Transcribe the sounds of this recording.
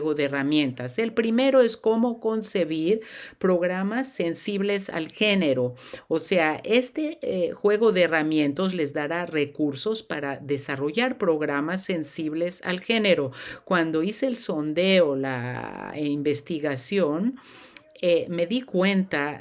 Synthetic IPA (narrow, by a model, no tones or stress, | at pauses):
ɣoðeeramjẽ̞nt̪ase̞lpɾime̞ɾo̞esko̞mo̞ko̞nse̞βiɾpɾo̞ɣɾamasːe̞nsiβle̞sa̰lxene̞ɾo̞ːse̞aʔe̞st̪exwe̞ɣo̞ðeːramjẽ̞nt̪o̞z̬le̞zðaɾare̞kuɾso̞spaɾaðe̞saro̞ʝaɾpɾo̞ɣɾamasːe̞nsiβle̞sa̰lxe̞ne̞ɾo̞kwand̪o̞iseːlso̞nd̪e̞ola̰ | imbe̞st̪iɣasjo̞n | eme̞ðikwe̞nt̪a